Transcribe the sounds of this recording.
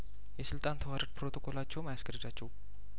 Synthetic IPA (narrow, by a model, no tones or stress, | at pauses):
jɛsɨlt̪ʼant̪ʰəwaɾət̪̚pʰɾot̪ʰokʼolat͡ʃːɛwmajaskəɾəd̪at͡ʃːɛw